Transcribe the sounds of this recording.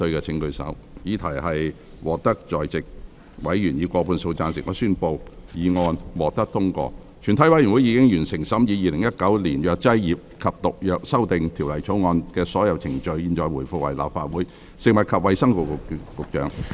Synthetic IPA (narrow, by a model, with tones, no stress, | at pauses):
ɵ˧ɥkɛː˧t͡sʰɪ˨˥ŋkɵ˧ɥsɐ̰˨˥w | jiː˨˧t̪ʰɐ˨˩jhɐ˨j | wɔː˨k̚t̪ɐ˥k̚t͡ʃɔː˨jt͡sɪ˨k̚ | wɐ˨˥jɥyː˨˩njiː˨˧kʷɔː˧pʰuː˧nso˧wt͡saː˧nsɪ˨k̚ŋɔː˨˥syː˥npo˧wjiː˨˧ŋɔː˧nwɔː˨˩k̚t̪ɐ˥k̚t̪ʰʊ˥ŋkɔ̰ː˧ | t͡ʃʰyː˨˩nt̪ʰɐ˨˥jwɐ˨˥jy˨˩nwu˨˥jiː˨˧kɪ˥ŋjyː˨˩nsɪ˨˩ŋsɐ˨˥mjiː˨˧jiː˨˧lɪ˨˩ŋjɐ˥t̚kɐ˨˥wliː˨˩njœː˨˧k̚t͡sɐ˥jjiː˨p̚kʰɐ˨p̚t̪ʊ˨k̚jœː˨k̚sɐ˥wt̪ɪ˨ŋt̪ʰi˨˩wlɐ˨˩jt͡sʰo˨˥wŋɔː˧nkɛː˧sɔː˨˥jɐ˨˧wt͡sʰɪ˨˩ŋt͡ʃɵ˧ɥjiː˧nt͡ʃɔː˨˧jwuː˨˩jfʊ˨k̚wɐ˨˩jla̰ː˨˩p̚faː˧t̚wuː˨˥j | sɪ˨kŋmɐ˨˩t̚kʰɐ˨p̚wɐ˨˧jsɐ˥ŋkʊ˨kkʊ˨k̚t͡ʃœː˨˥ŋ